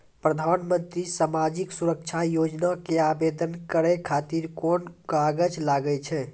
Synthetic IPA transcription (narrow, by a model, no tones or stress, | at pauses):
pɾəd̪ʱanmənt̪ɾisamad͡ʒiksuɾək̚t͡ʃʰajod͡ʒnakeabed̪ənkəɾɛkʰat̪iɾkonkaɡət͡ʃʰlaɡət͡ʃʰɛ